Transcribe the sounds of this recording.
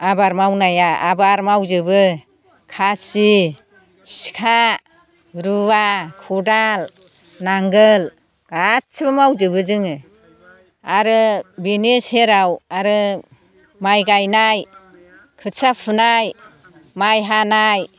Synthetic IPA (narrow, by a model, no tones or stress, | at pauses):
abaɾmawnajaabaɾmawzɯbɯ | kʰasi | si̥kʰa | ɾuwakʰudal | naŋɡɯl | ɡ̥asʰbamawzɯbɯzɯŋɯ | aɾɯbinesheɾawaɾɯ | majɡajnaj | kʰɯsapʰɯnaj | majɦanaj